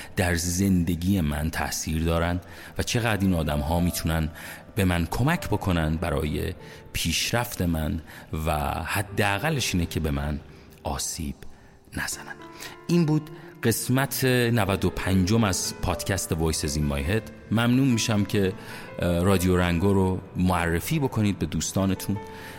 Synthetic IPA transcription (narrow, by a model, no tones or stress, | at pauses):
d̪̥æɾze̞nd̪e̞ɟiːjemæ̰nt̪ʰæ̰ʔsiːɾd̪ɒːɾænd̪ | væt͡ʃʰe̞ɣæːd̪ɾiːnɒːd̪æmɦɒːmiːt̪ʰunæn | be̞mænkʰo̞mæcʰbo̞kʰo̞nænd̪̚bæɾɒ̰ːje̞̰ | pʰiːʃɾæft̪e̞mænvæ̰hæd̪ːeæɣælːeʃiːnecʰe̞be̞mæn | ɒːsiːb̥ | næz̥ænænʔiːnbuːd̪ɢe̞smæt̪ʰe̞nævæd̪o̞pʰænd͡ʒo̞mæzpʰɒːd̪̥cʲʰæst̪e̞vojsezimːɒ̰ːjɦed̪ | mæmnuːnmiːʃæmcʰe̞ | rɒːd̪ijoɾæŋɡoːɾomoærːefiːbo̞kʰo̞niːd̪̚be̞d̪uːst̪ɒːne̞t̪ʰun